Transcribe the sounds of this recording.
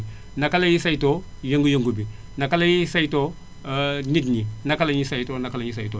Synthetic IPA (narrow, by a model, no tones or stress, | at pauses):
nakalajisajto | joŋɡujoŋɡubi | nakalajisajto | nit̬ninakalaɲisajtonakalaɲis̬ajto